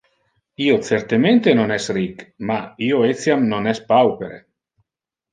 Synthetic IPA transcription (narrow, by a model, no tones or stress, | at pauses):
iot̪seɾt̪ement̪enonɛsrikmaioesjamnonɛspawpeɾḛ